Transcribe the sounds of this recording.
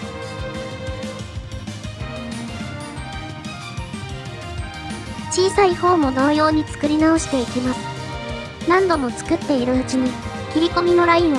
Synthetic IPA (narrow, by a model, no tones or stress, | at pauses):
t͡ɕiːsaiho̞ːmo̞d̪o̞ːjo̞ːɲ̟it͡sɨ̥kɯ̟ɾʲinao̞ɕi̥t̪e̞ikʲimasɨ̥ | nãnd̪o̞mo̞t͡sɨ̥kɯ̟t̪ːe̞iɾɯ̟ɯt͡ɕiɲ̟i | kʲiɾʲiko̞mʲino̞ɾaĩɰ̃